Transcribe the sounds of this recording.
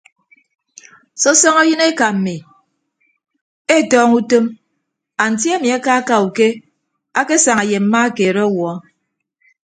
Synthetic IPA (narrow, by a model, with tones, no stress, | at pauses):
sɔ˦sɔ˦ŋɔ˦jɨ˦ne˦ka˨m̩˨mi˨ | e˦˨tɔː˦ŋu˦to˦m | a˨n̩˨t̬ji˦e˦mi˨a˦ka˦ka˨u˨ke˦ | a˦ke˦sa˨ŋa˨je˨m̩˦ma˦a˦ke˨ɾɔ˦wɔ˨ɔ˦